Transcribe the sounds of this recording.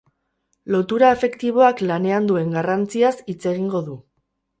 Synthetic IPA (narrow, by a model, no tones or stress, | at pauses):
lo̞t̪uɾaefe̞kt̪iβ̞o̞aklane̞and̪ue̞ŋɡarant͡siasit͡se̞ɣ̞iŋɡo̞ðu